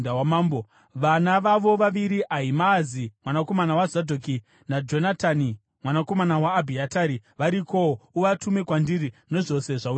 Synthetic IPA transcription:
awamaːmbo | ʋanaʋaʋo̞ʋaʋiɾiʔaɦimazimwanako̞manawazadʱoki | nad͡ʒo̞natani | mwanako̞manawaːbʱiataɾiʋaɾikoouʋatume̞kwandirino̞ʐo̞se̞ʐau

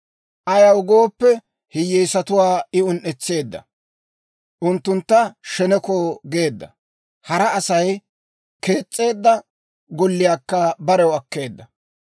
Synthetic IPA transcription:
ʔɐjɐwʊɡo̞ːpːɛ | hɪjːɛjsɐt̪ʊwaːɪʊnʔɛt͡sːe̞ːd̪ːɐ̰ | ʔʊnt̪ːʊnt̪ːɐʃɛnɛkoɡe̞ːd̪ːɐ | hɐɾɐːsɐj | ke̞ːt͡sʼːe̞ːd̪ːɐ | ɡɔlːɪjaːkːɐbɐɾɛwɐkːe̞ːd̪ːɐ

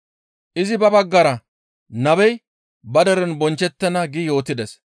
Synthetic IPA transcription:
ʔɪzɪbɐbɐɡːɐɾɐ | nɐbɛj | bɐd̪ɐɾɛnbɔnt͡ʃːɛt̪ːɛnɐɡɪjo̞ːt̪ːɪd̪ɛs

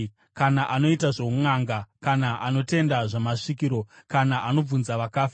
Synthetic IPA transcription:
kanaʔano̞itaʐouŋaŋɡakanaʔano̞te̞ndaʐamaʂikiɾo̞kanaʔano̞b͡vunzaʋakaːfa

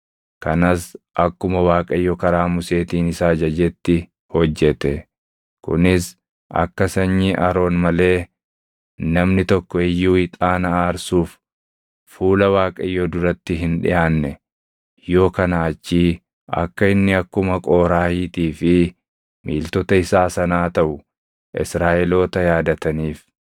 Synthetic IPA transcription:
kɐnɐsʔɐkːʊmɐwaːkʼɐjːɔkɐɾaːmʊse̞ːt̪iːnɪsaːd͡ʒɐd͡ʒɛt̪ːɪ | hɔd͡ʒːɛt̪ɛ | kʊ̰nɪs | ʔɐ̰kːɐsɐɲːɪʔɐɾo̞ːnmɐle̞ː | nɐmnɪt̪ɔkːɔɛjːuːɪt̪ʼaːnɐaːɾsuːf | fuːlɐwaːkʼɐjːoːd̪ʊɾɐt̪ːɪɦɪnᶑɪ̰jaːnːɛ | jo̞ːkɐnaːt͡ʃːiː | ʔɐ̰kːɐɪnːɪɐkːʊmɐkʼo̞ːɾaːhiːt̪iːfɪ | mḭːlt̪ɔt̪ɐɪsaːsɐnaːt̪ɐʔʊ | ʔɪ̰sɾaːʔɛlo̞ːt̪ɐjaːd̪ɐt̪ɐniːf

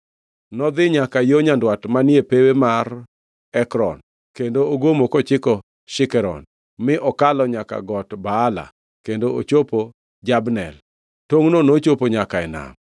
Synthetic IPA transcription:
nɔd̪ɪɲakajoɲandwatmanjepewemar | ɛkɾɔ̰n | kendooɡomokɔt͡ʃɪkɔ | ʃɪkɛɾɔ̰n | mɪʔɔkalɔɲaka̰ɡɔtbaːla̰ | kendoot͡ʃopo | d͡ʒabnɛl | toŋnonot͡ʃopoɲakaɛna̰m

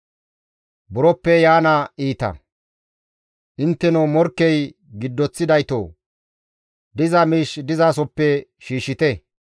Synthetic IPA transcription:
bʊɾɔpːɛjaːnɐiːt̪ɐ̰ | ʔɪnt̪ːɛnomɔɾkːɛj | ɡɪd̪ːɔt͡sːɪd̪ɐjt̪o̰ː | d̪ɪzɐmiːʃd̪ɪzaːs̬ɔpːɛʃiːʃːɪt̪ɛ

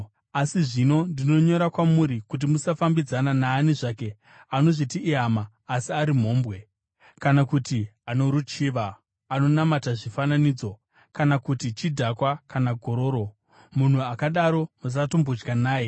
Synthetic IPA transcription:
asiʐino̞ndino̞ɲo̞ɾakwamuɾikut̬imusafambid͡zananaːneʐake̞ | ano̞ʐitiʔːɦamaː | siaɾim̤o̞ːmbwe̞ | kanakutiano̞ɾut͡ʃiːʋaː | no̞namataʐifananiːd͡zo̞ | kanakutit͡ʃidʱakwakanaɡʱo̞ɾo̞ːɾo̞ | mun̤uakaɗaɾo̞mus̬atombud͡ʒɡanaːje̞

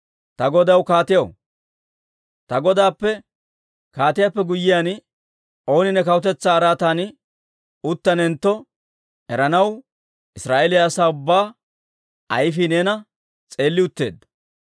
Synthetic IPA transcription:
t̪ɐɡɔd̪ɐwkaːt̪ɪjɐw | t̪ɐɡɔd̪aːpːɛ | kaːt̪ɪjaːpːɛɡʊjːɪjaːn | ʔo̞ːnɪnɛkɐwʊt̪̬ɛt͡sːaːɾaːt̪aːn | ʊt̪ːɐnɛnt̪ːɔ | ɛɾɐnɐw | ʔɪsɾaːʔelɪjaːsaːʊbːaː | ɐjfɪneːnɐ | t͡sʼe̞ːlːɪʊt̪ːe̞̰ːd̪ːɐ

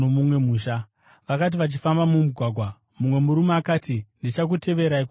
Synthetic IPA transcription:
omumwe̞muːʃa | ʋakat̬iʋat͡ʃifambamumuɡʱwaɡʱwa | mumwe̞muɾumaːkaːtindit͡ʃak̬ute̞ʋe̞ɾaiku

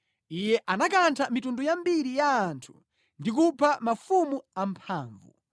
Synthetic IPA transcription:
ijɛʔanakantʰamitundujambiɾijaːntʰu̥ | ndik̬upʰamafumuampʰaːɱvṵ

